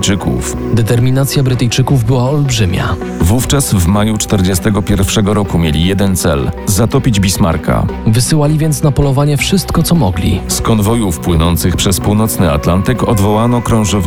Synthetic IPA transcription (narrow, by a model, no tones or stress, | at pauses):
t͡ʂɘkṵf | d̪ɛt̪ɛɾmʲinat̪sʲjabɾɘt̪ɘjt͡ʂɘkuvbɘwaɔlbʐɘmʲa̰ | vuft͡ʂasvmajut͡ʂt̪ɛɾd͡ʑɛst̪ɛɡɔpʲjɛɾfʂɛɡɔɾɔkumʲjelʲijɛd̪ɛnt̪sɛ̰lzat̪ɔpʲid͡ʑbʲisma̰ɾka̰vɘsɘwalʲivʲjɛnt̪snapɔlɔvaɲɛfʂɘst̪kɔt̪sɔmɔɡlʲḭskɔnvɔjufpwɘnɔnt̪sɘxpʂɛspuwnɔt̪snɘa̰t̪lant̪ɘkɔd̪vɔwanɔkɾɔ̃w̃ʐɔv